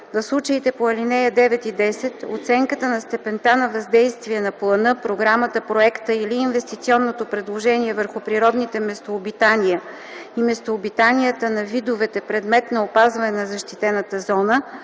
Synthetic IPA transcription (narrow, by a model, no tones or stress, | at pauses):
vɐfslˠut͡ʃəit̪ɛpoɐlinɛjəd̪ɛvɛt̪id̪ɛsɛt̪o̰t̪sɛŋkət̪ənɐst̪ɛpɛnt̪anɐvɐzd̪ɛjst̪viɛnɐplˠɐnɤpɾoɡɾamət̪əpɾoɛkt̪əiliːnvɛst̪it̪siɔnːot̪opɾɛd̪lˠoʒɛniɛvəɾxʊpɾiɾɔd̪nit̪ɛmɛst̪oːbit̪anijə | imɛst̪oːbit̪anijət̪ənɐvid̪ovɛt̪ɛpɾɛd̪mɛt̪nɐopazvɐnɛnɐzɐʃt̪it̪ɛnət̪əzɔnə